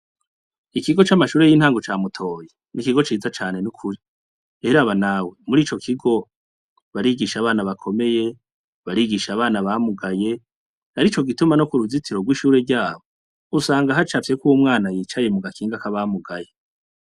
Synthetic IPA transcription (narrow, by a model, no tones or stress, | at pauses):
ikiɡo̞t͡ʃamaʃuːɾe̞jiːn̥haːŋɡot͡ʃaːmutʰo̞ːje | nikiɡo̞t͡ʃiːd͡zat͡ʃaːne̞nukʰuɾi | eɾaβanawe̞muɾiːt͡ʃo̞kʰiɡo̞ | βaɾiɡiʃaβaːnaβakʰo̞me̞je̞ | βaɾiːɡiʃaβaːnaβamuɡaje̞ | haɾit͡ʃo̞ɡitumano̞kuɾuzitiɾoɡwiːʃuːɾe̞ɟaːβo̞ | usaːŋɡaɦat͡ʃafekuwumŋaːnajiːt͡ʃaje̞muɡakiːŋɡakaβamuɡaje̞